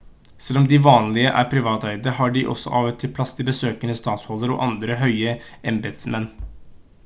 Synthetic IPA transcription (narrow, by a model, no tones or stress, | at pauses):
sɛlːɔmd̪ɪʋɑːnlɪəʔæ̰ɾpʰɾɪʋɑːt̪æɪd̪əɾəhɑɖɪʔɔ̰sːɔ̰ʔɑːʋət̪ʰːɪlpʰlɑst̪ɪbəsøːkənəst̪ɑːt̪shɔld̪əɾɔ̰ːʔɑnd̪ɾəɦœʏəɛmbɛt̪smɛnː